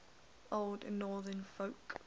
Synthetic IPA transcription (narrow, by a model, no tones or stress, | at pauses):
oʊlˠdnɔːðənfəʊk